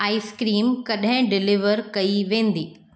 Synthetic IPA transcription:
aːiskɾiːmkɐɗɦɪ̃ɖɪlɪʋəɾkɐiʋẽːn̆d̪iː

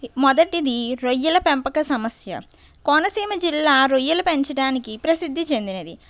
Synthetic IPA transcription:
mɔd̪ɐʈid̪iɾojːɐlɐpempɐkɐsɐmɐsjɐ̰ | kɔːnɐsiːmɐd͡ʒilːaːɾojːɐlɐpeɲt͡ʃɐɽaːnikipɾɐsid̪ʱːit͡ʃe̞nd̪inɐd̪i

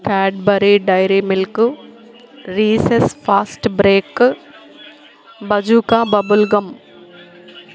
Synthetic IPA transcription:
kɛːɖ̚bɐɾiɖajɾimɪlk | ɾiːsesfaːsʈbɾeːk | bɐd͡ʒukabɐbʊlɡɐm

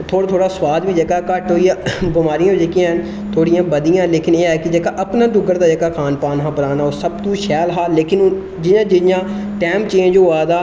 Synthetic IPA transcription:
t̪ʰoːɽaːt̪ʰoːɽaːswaːd̪biːd͡ʒekaːkəʈɦoːijãːbɪmaːɾɪjãːd͡ʒeːkijãːɦn | t̪ʰoːɽɪjãːbəd̪ɪjãːleːkɪneːɛːkɪd͡ʒeːkaːʔəpnãːd̪ʊɡəɾd̪aːd͡ʒeːkaːkʰaːnpaːnɦãːpəɾaːnaːoːsəbt̪uːʃɛːlɦaːleːkɪn | d͡ʒɪnãːd͡ʒɪjãː | ʈɛ̃ːm̚t͡ʃiːãːd͡ʒoːʋaːd̪aː

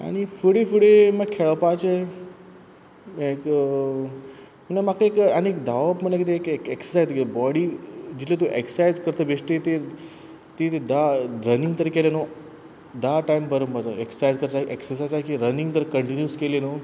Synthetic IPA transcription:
a̰ɽ̃ifəɽefuɽeməɡkʰeɭpat͡ɕe | ek | məɳnamakʰaekaɽ̃iekd̪aʋapməɳlakit̪eekekeksəsajt̪ːkebɔɽiːd͡ʑit̪let̪oʔeksajzkəɾt̪əbeʂʈet̪e | t̪et̪ed̪aɾəniŋɡt̪əɾkeleno | d̪aʈajmpəɾəmbət͡saeksajd͡zkəɾt̪aʔeksəs̬ajd͡zakiɾəniŋɡt̪əɾkəɳʈinjuskeleno

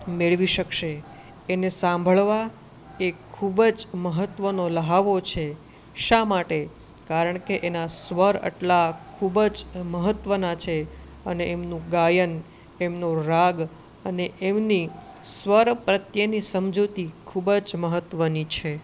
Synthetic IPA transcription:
meɭʋiʃəkʃeː | nesãmbʱəɭʋa | ekʰːubəd͡ʒməɦət̪ʋənoləɦaʋot͡ʃʰe | ʃamaʈe | kaɾəɳkeʔenasʋəɾə̰ʈlakʰubəd͡ʒməɦət̪ʋənat͡ʃʰe | əneemnũɡajən | emnoɾaɡ | əneʔemnisʋəɾpɾət̪jənisəmd͡ʒot̪ikʰubəd͡ʒməɦət̪ʋənit͡ʃʰe

